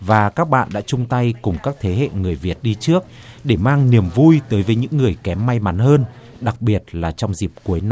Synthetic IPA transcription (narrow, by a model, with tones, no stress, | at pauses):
vaː˨˩kaː˦˥k̚ɓa̰ː˧˨nɗa̰ː˧˥t͡ɕʊ˧ŋ͡mt̪a˧jkʊ˨˩ŋ͡mkaː˦˥k̚t̪ʰe˨˦ɦḛ˧˨ŋɨ˨˩əjvi˨˩ət̚ɗi˧t͡ɕɨ˦˥ək̚ | ɗe˧˩maː˧ŋni˨˩əmvu˧jt̪əː˨˦jvəː˨˦jɲɨ̰˧˥ŋːɨ˨˩əjkɛ˨˦mːa˧jma˨˦nhəː˧n | ɗa˨˩k̚ɓi˨˩ət̚laː˨˩t͡ɕɔ˧wŋ͡mzi˨˩p̚ku˨˦əjn˧